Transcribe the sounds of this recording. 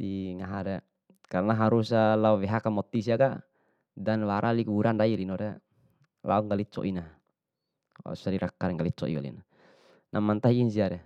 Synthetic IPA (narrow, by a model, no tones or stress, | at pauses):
diŋaɦaɾɛ | karnaɦaɾusalauwɛɦakamɔt̪ːisiaka | danwaɾʔalikuuɾandailinɔɾɛ | la̰ɔŋɡalit͡ʃɔ̰ʔina | a̰susadiɾakːaɾɛŋɡalit͡ʃɔ̰ḭa̰lḭna | nʔamant̪aiːnsiaɾɛ